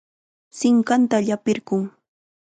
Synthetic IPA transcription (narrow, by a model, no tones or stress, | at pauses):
sɪŋkant̪aʎapɪɾɢʊŋ